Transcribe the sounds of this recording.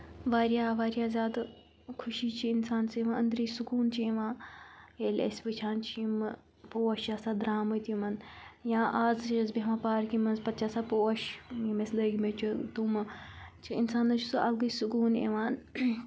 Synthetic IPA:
ʋaːɾijaːʋaːɾjaːzʲaːd̪ | kʰuʃiːt͡ʃʰiinsaːnseʋaɐnd̪ɾisukuːnt͡ʃʰiiʋãːeːlʲḛsʲpɨt͡ʃʰaːnt͡ʃʰiim | poːɐʃjaːsad̪ɾaːmɐt̪ʲimɐnjãːʔaːzezbemãːpaːɾkimɐnzpɐt̪ːt͡ʃʰaːsaːpoːɐʃimesləɡimet͡ʃʰut̪umɐt͡ʃʰiinsaːnɐt͡ʃʰusɨɐlɡɨsukuːnḛːʋaːn

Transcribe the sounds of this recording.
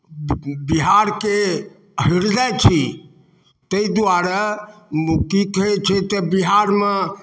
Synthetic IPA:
biɦaɾke | ɦiɾd͡ʒajt͡ʃʰi | t̪əid̪uaɾamkikəet͡ʃʰɛt̪ɔbiɦaɾme

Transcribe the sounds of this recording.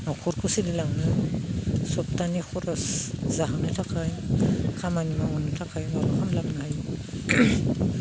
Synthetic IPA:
nɔkʰɔɾkʰusidilaŋnɯ | sɔp̚tanixʰɔɾaszaɦawnɯtʰakʰajkʰamanimaŋunɯtʰakʰajmaɾɔkʰamlaŋnahaj

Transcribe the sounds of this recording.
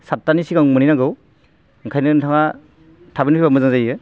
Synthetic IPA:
satːanisiɡaŋmɯninaɡɯw | ɯŋkʰajnɯntʰaŋa | tʰabinpʰibamɯzazajɯ

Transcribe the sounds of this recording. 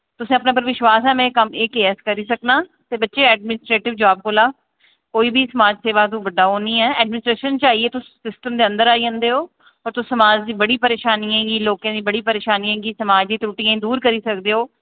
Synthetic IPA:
t̪ʊsĩːəpnãːp̬əɾʋɪʃʋaːsɛːmɛ̃ːkəmeːkeːɛskəɾiːsəknaːt̪eːbətːʃeːɛːɖmɪnɪsʈɾeːʈɪʋd͡ʒaːb̚koːlaː | koːiːbʱiːsəmaːd͡ʒseːʋaːt̪̬ũʋəɖːaːɦoːniːɛːɛːɖmɪnɪsʈɾeːʃənt͡ʃaːieːt̪ʊssɪsʈəmd̪eːə̃nd̪əɾaːiːɦõnd̪eːɦoː | ɔːɾt̪ʊsəmaːd͡ʒd̪iːbəɽiːpəɾeːʃaːniːãːɡiːloːkãːd̪iːbəɽiːpəɾeːʃaːniãːɡiːsəmaːd͡ʒd̪iːt̪uːʈiːãĩd̪uːɾkəɾiːsəkd̪eːɦoː

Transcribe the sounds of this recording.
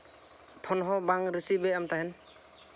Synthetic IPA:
pʰɔnɦɔbaŋɾisibeamtaɦɛn

